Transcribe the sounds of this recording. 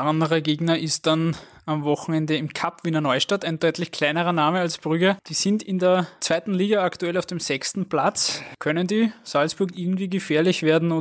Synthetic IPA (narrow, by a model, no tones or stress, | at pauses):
ʔandəʁɐɡeːɡnɐʔɪst̚d̥an | amvɔxŋ̩ɛndəɪmkʰapv̥iːnɐnɔʏʃtatæɪnd̥ɔʏtlɪçkʰl̥æɪnəʁɐnaːməalsb̥ʁʏɡɐd̥iːsɪndɪndeːɐt͡sv̥æɪtn̩liːɡaaktuɛlaʊfd̥eːmzɛçstn̩pʰlat͡skʰœnəndiːsalsb̥ʊɐkɪɐɡŋ̩tv̥iːɡəfɛːɐlɪçv̥eːɐdn̩ʊ